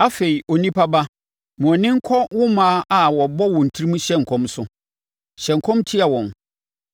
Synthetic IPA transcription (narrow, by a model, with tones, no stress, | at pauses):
a˦fe˨i˨o˨nĩ˦pʰa˦ba˦ | mũ˨ɔ̃˨nɪ̃˦ŋ̩˦kʰɔ˦wʊ̃˦mãː˦ʔa˨wɔ˨bɔ˦wɔ̃˨n̩˨tʰi˦ɾi˦mũ˦ɕɛ̃˦ŋ̩˨kʰɔ̃˦msʊ˦ | ɕɛ̃˨ŋ̩˨kʰɔ̃˦mtʰi˦a˨wɔ̃˨n